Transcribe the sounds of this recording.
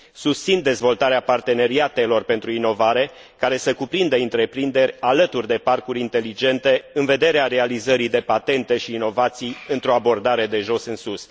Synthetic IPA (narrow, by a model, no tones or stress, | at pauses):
sust̪sind̪e̞zvo̞lt̪aɾeapart̪e̞ne̞ɾiat̪e̞lo̞rpe̞nt̪ɾuino̞vaɾe̞ | kaɾe̞səkupɾind̪əɨnt̪ɾe̞pɾind̪e̞ɾʲalət̪urʲd̪e̞parkuɾʲint̪e̞lid͡ʒe̞nt̪e̞ɨnve̞d̪e̞ɾeaɾe̞alizəɾid̪e̞pat̪e̞nt̪e̞ʃiːno̞vat̪sijɨnt̪ɾo̞abo̞rd̪aɾe̞d̪e̞ʒo̞sɨnsus